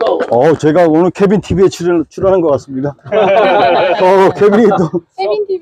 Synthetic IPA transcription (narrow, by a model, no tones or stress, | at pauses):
ʌt͡ɕe̞ɡaonɯɭkʰe̞bintʰibiet͡ɕʰiɾt͡ɕʰiɾonɦanɡʌk͈as͈ɯmɲida | ʌkʰebiɲit̪͈o